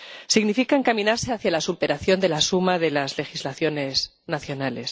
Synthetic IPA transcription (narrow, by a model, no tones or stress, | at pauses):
siɣnifikaeŋkamĩnaɾse̞aθjalasupe̞ɾaθjo̞nd̪e̞lasumaðe̞lazle̞xizlaθjo̞ne̞s | naθjo̞nale̞s